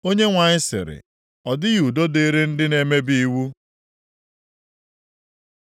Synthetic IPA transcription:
o˦ɲe˦ŋʷa˨ɲɪ˦sɪ̰˨ɾɪ̰˨ | ɔ˨dɪ˦ju˨do˦de˦ɾe˦n̩˦dɪ˦ne˨me˦bi˦wu˦

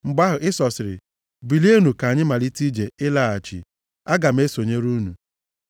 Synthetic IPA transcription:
ŋ͡m̩˨ɡ͡ba˦ɦʊ˨ʔɪ˦sɔ˨sɪ˨ɾɪ̰˨ | bi˨li˦e˦nu˨ka˨ɲɪ˦ma˨li˦ti˦d͡ʒe˨ɪ˦la˦˨a˨t͡ʃḭ˨ | a˦ɡa˨m̩˦e˦so˨ɲe˦ɾu˦nu˨

